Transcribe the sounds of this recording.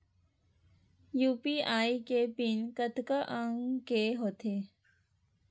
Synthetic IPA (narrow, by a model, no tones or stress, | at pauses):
juːpiaːikepinkət̪kəʔəŋkeɦot̪ʰe